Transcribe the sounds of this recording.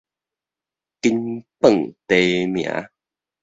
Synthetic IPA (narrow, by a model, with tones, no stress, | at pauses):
kinpə˨ŋt̪emi˨a̰˦